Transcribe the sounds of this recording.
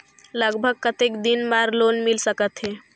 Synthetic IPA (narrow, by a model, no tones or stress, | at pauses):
ləɡbʱəɡ̚kət̪ekd̪inmaɾlonmilsəkət̪ɦe